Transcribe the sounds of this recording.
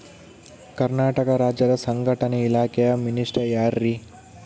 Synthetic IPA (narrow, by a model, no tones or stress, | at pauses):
kɐɾnaːʈɐkɐɾaːd͡ʒjɐd̪ɐsɐŋɡʱɐʈɐneilaːkʰejɐminisʈɐjaːɾːi